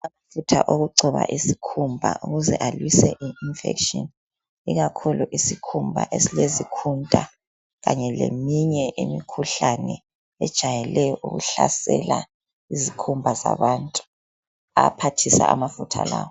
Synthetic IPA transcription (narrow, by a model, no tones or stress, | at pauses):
amafutʰaʔoɣuǀʱɔβa̰ʔisikʰumbʱa̰ʔuɣuzɛʔalwisɛʔiinfɛ̰kʃɔn | iɣakʰuluʔisikʰumbʱa̰ʔesilezikʰuntʼa | ɣaɲɛlemiɲɛʔimikʰuɬanɛ | ɛd̥ʒ̥ʱajɛlɛjɔʔuɣṵɬasɛla | izikʰumbʱaza̰βantʼu̥ | apʰatʰisaamafutʰa̰laːwɔ